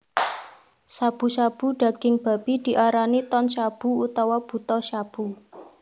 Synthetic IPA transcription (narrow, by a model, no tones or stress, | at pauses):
sab̥ṳsab̥ṳɖ̥ä̤ɡ̥ɪŋb̥a̤b̥id̪̥i̤ʔaɾanit̪ɔnʃab̥ṳut̪awab̥ṳt̪ɔʃab̥ṳ